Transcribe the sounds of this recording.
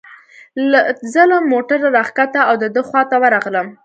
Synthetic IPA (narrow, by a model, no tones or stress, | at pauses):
lazəlamoʈaɾaɾɑχkat̪aawd̪əd̪əxwɑt̪awəɾɑɣləm